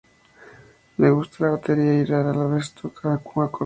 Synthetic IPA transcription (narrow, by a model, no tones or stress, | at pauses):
leɣust̪alaβat̪eɾiaiɾaɾalaβest̪okʰakuŋako